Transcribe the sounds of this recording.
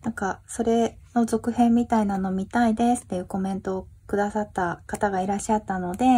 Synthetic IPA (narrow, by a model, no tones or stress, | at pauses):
nãŋkaso̞ɾe̞no̞zo̞kɯ̟hẽ̞mːʲit̪ainano̞mʲit̪aid̪e̞sɨ̥t̪ːe̞jɯ̟ːko̞mẽ̞nt̪o̞ː | kɯ̟d̪asat̪ːakat̪aɡaiɾaɕːat̪ːano̞d̪e̞